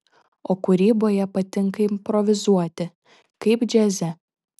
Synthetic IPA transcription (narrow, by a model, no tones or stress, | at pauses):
oːkʊɾʲiːboːjɛpɐt̪ʲɪŋkɐɪmpɾɔʋʲɪzuɔt̪ʲɪ | kɐɪpd͡ʒʲɛzʲɛ